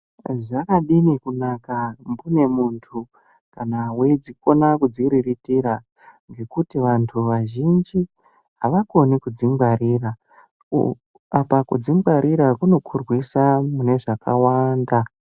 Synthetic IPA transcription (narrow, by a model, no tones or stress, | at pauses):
ʐakaɗinikunakambune̞muntʰu | kanawed͡ziko̞nakud͡ziɾiritiɾa | ŋɡe̞kutiʋantʰuʋaʒind͡ʒi | ɦaʋako̞nikud͡ziŋɡaɾiːra | apakud͡ziŋɡaɾiɾakuno̞kʰurwisamune̞ʐakawanda